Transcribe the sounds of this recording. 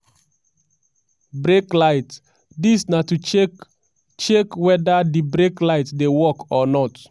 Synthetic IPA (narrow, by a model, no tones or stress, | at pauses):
bɹeklaɪt | disnatu | t͡ʃekwɛdadibɹeklaɪtdewɔkɔnɔt